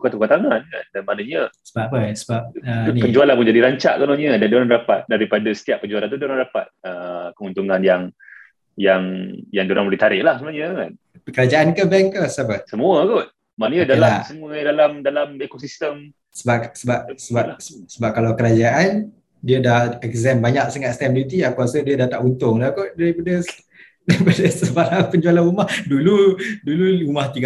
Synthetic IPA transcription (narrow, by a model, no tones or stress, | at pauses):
t̪ukat̪ukat̪aŋana̰ndanmanəɲəsə̥bapəsəbap̚ənipəɲd͡ʒualanpuɲd͡ʒadiɾaɲt͡ʃa̰ʔkonoɲiədandoɾaŋɾapa̰t̪̚daɾipadasə̥t̪iaʔ̚pəɲd͡ʒualant̪udoɾaŋɾapa̰t̪̚əkəunt̪uŋanjaŋ | jaŋjaŋdoɾaŋbəlit̪aɾɪʔlahsəmnuaɲəŋan | kəɾad͡ʒaʔankəbɛŋkəsapəsəmuəɡot̪̚ | manəɲədalaamsəmuədalamdalamekosist̪əm | səbasəbap̚səbasəsəbap̚kalawkəɾad͡ʒaʔan | diədahɛkzɛmbaɲaʔ̚səŋat̪st̪abilit̪iakuasədiədaht̪aʔunt̪ʊŋlakoʔ̪̚daɾipadə | daɾipadəsəbaɾaŋpəɲd͡ʒualaɾumahduluduluumaht̪iɡa